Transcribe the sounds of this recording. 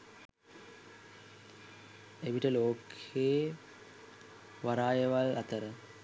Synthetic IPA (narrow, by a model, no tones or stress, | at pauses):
eʋiʈəloːkʰeː | ʋaɾaːjəʋalat̪əɾə